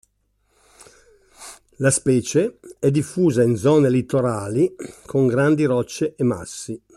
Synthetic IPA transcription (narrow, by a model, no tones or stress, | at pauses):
laspɛːt͡ʃeɛd̪ːifːuːzaind̪zɔːnelit̪ːoɾaːlikʰoŋɡɾand̪iɾɔt͡ʃːeʔema̰sːi